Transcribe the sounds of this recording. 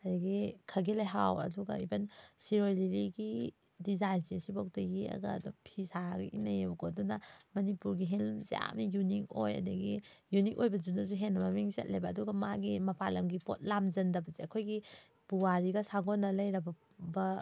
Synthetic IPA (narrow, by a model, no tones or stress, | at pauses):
adɐɡikʰɐɡelajɦawɐ̰duɡa̰ibɐnsiɾojliliɡi | dizajnzisibak̚tɐɡiɐ̰ɡɐ̰dɔpʰisaɡɐ̰ʔinɐjebɐɡoɐdunɐmɐnipuɾɡiɦelmzja̰mijunik̚ojɐ̰dɐɡi | junikojbɐd͡ʒunɐsuɦenːɐmɐmiŋzɐ̰t̚lejbɐːduɡɐmaɡimɐpʰalɐmɡipo̰t̚lamd͡ʒɐndɐbɐzeɐkʰojɡi | b̥uwaɾiɡɐsaŋɡonːɐlɐjɾɐb | bɐ